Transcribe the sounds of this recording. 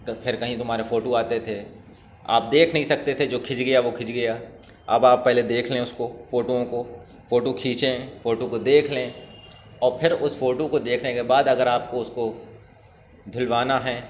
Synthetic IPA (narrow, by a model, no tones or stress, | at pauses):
pʰɪɾkɐɦĩt̪ʊmɦaːɾefoːʈoaːt̪et̪ʰeː | a̰ːp̚d̪eːkʰnɐɦĩsɐk̚t̪et̪ʰed͡ʒoːkʰɪd͡ʒɡɐjaʋokʰɪd͡ʒɡɐja | ɐ̰baːpːɛɦled̪eːkʰleẽʊskofoːʈoõko | foːʈokʰiːt͡ʃẽfoːʈokod̪eːkʰlẽ | ɔːɾpʰɪɾʊsfoːʈokod̪eːkʰnekebaːd̪ɐɡəɾaːp̚koʊsko | d̪ʱʊlʋaːnaɦɛː